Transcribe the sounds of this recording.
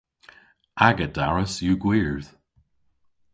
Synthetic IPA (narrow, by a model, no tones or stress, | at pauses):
ʔaɡəd̥a̰ɹəsjuɡwiɹð̥